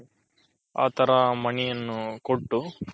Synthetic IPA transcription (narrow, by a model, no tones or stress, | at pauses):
a̰ːt̪ɐɾɐmɐɳijɐnːukoʈːu